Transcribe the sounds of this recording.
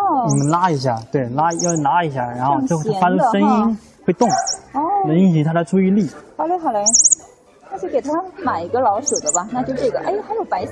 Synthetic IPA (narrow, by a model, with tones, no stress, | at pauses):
ɔ˥˩ni˨˩mə˦nla˥i˧˥ɕ̬ja˥˩t̪we˥˩ɪla˥˧˥jna˧˥i˧˥ɕ̬ja̰˥˩ɻa˧˥nxo˧ʊt͡ɕo˥˩ʊ˧˥fa˥ʈ͡ʂu˥˧ʂə˥ni˥n | xwe˥˧ɪt̪ʊ˥˩ŋɔ˥˩na˧˥i˥˩ɕi˧˥ŋt̪ʰa˥ɾə˧ʈ͡ʂʰu˥i˥˧li˥˩xɑ˨˩le˥xɑ˨˩ʊla˧˥ | n˥˩t͡ɕke˨˩ɪt̪ʰa˥mə˧nma˨˩ɪi˧˥ɡə˧lɑ˧˥ʊʂə˨˩d̪ə˦bɐ˨na˥˧t͡ɕjo˥˧ʊʂʈ͡ʂɤ˥˩ɡə˩ʔa˥˩xa˧˥jo˨˩ʊpa˧˥ɪ